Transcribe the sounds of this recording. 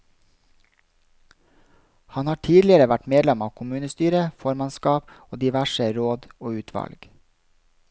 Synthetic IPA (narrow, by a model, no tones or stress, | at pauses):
hɑnhɑːʈʰiːd̪lɪəɾəʋæʈmeːd̪lɛmɑːkʰʊmʉːnəst̪yːɾəfɔɾmɑnskɑːpoːd̪ɪʋæʃəɾoːd̪oːʉːt̪ʰʋɑ̰lɡ̥